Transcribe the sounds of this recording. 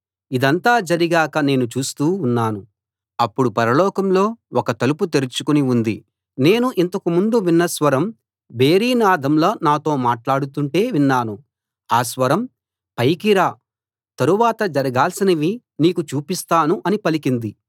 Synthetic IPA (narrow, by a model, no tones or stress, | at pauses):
id̪ɐnt̪aːd͡ʒɐɾiɡaːkɐne̞ːnut͡ʃuːst̪uːnːaːnu | ɐpːuɽupɐɾɐlɔːkɐmlo̞ːɔkɐt̪ɐluput̪eɾit͡ʃukuniund̪i | ne̞ːnuʔint̪ɐkumund̪uʋinːɐsʋɐɾɐm | be̞ːɾiːnaːd̪ʱɐmloːnaːt̪o̞ːmaːʈlaːɽut̪uɳʈe̞ːʋinːaːnu | aːsʋɐɾɐm | pɐjkiɾaː | t̪ɐɾuʋaːt̪ɐd͡ʒɐɾɐɡaːlsinɐʋi | niːkut͡ʃuːpist̪aːnuʔɐnipɐlikind̪i